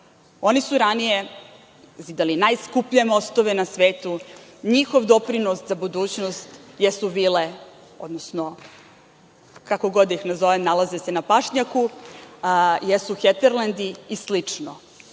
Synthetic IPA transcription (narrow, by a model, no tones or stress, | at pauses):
o̞nisuɾanije | zid̪alinajskupʎemo̞st̪oʋenasʋeːt̪uɲixo̞ʋd̪o̞pɾinoszabud̪uːt͡ɕnost̪jesuʋile | o̞d̪nosno | kako̞ɡo̞d̪ixnazo̞ʋemnalazesenapaʂɲaku | jesuxet̪eɾland̪iːslit͡ʂno